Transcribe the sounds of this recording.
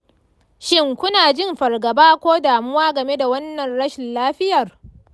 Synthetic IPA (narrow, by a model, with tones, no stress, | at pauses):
ʃɪ˦ŋkʷʊ˦naː˨d͡ʒɪ˦˨mɸɐ˨rɡɐ˨baː˦kʷoː˦daː˨mʊ˦waː˦ɡɐ˨me˦da˨wɐ˦nːɐ˨nɽɐ˦ʃɪ˨nlaː˦ɸɪ˦jɐ˨r